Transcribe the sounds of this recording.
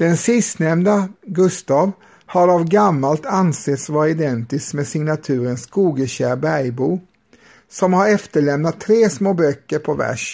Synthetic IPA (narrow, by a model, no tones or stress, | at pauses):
d̪̥ɛnsɪst̪nɛmnaɡɵst̪ɑːv | haɾavɡamːalt̪anseːt̪svɑːɾɪd̪ɛnt̪ɪskmɛsɪŋnat̪ʰʉ̟ːɾənskuːɡəɕæːɾbæjbuː | sɔmhaɾɛft̪əɭɛmnat̪ʰːɾeːsmoːbœkːəɾpʰɔvæ̰ʂ